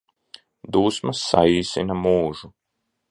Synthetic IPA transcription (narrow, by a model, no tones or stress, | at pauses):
d̪uːsmasːa̰iːsinɐmuːʒu